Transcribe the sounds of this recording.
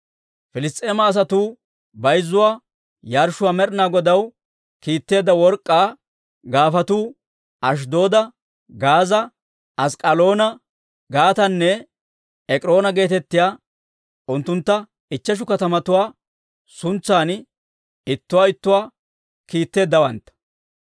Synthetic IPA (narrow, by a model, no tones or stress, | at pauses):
fɪlɪst̪ʼe̞ːmɐːs̬ɐt̪uː | bɐjzːʊwaː | jaːɾʃʊwaːmɛɾnaːɡɔd̪ɐw | kiːt̪ːe̞ːd̪ɐwɔɾkʼːaː | ɡaːfɐt̪uː | ɐʃ̬d̪o̞ːd̪ɐ | ɡaːzɐ | ʔɐskʼɐlo̞ːnɐ | ɡaːt̪ɐnːɛ | ɛkʼɪɾo̞ːnɐɡe̞ːt̪ɛt̪ːɪjaː | ʔʊnt̪ːʊnt̪ːɐ | ɪt͡ʃːɛʃ̬ʊkɐt̪ɐmɐt̪ʊwaː | sʊnt͡sːaːn | ɪt̪ːʊwaːɪt̪ːʊwaː | kiːt̪ːe̞ːd̪ːɐwɐnt̪ːɐ̥